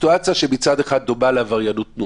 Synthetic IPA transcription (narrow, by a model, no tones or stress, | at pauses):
tuat͡sijaʃemit͡sad̪eχad̪̚dubalevaʁjanutnu